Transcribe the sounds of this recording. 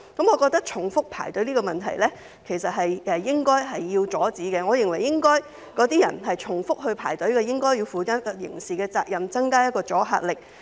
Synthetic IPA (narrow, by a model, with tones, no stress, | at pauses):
kɐ˨˥mŋɔː˨˧kɔː˧k̚t̪ɐ˥k̚t͡ʃʰʊ˨˩ŋfʊ˥k̚pʰa̰ː˨˩jt̪ɵ˨˥ɥliː˥kɔː˧mɐ˨˩nt̪ʰɐ̰˨˩jlɛː˥ | kʰe˨˩jsɐ˨t̚ɦɐ˨jʔɛ˧jɪ˥ŋkɔː˥jɦɐ˨jːiː˧wt͡sɔː˨˥t͡siː˨˥kɛː˧ŋɔː˨˧jɪ˨˩ŋwɐ˨˩jɪ˥ŋkɔː˥j | kɔː˨˥t̪iː˦˥jɐ̰˨˩nɦɐ˨jt͡ʃʰʊ˨˩ŋfʊ˥k̚ɦɵ˧ɥpʰa̰ː˨˩jt̪ɵ˨˥ɥkɛ˧jɪ˥ŋkɔː˥jiː˧wfuː˨kaː˥t̚jɪ̰˨˩ŋsiː˨˩kɛː˧t͡saː˧k̚jɐ˨mt͡sɐ˥ŋkaː˥jɐ˥t̚kɔː˧t͡sɔː˨˥ɦa̰ː˧t̚lɪ˨k̚